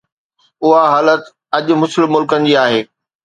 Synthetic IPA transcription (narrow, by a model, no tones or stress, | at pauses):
ʊɦaɦaːlət̪ | ɐʄʊ̆mʊsɪlmʊlkənɪ̆d͡ʑiaːɦeː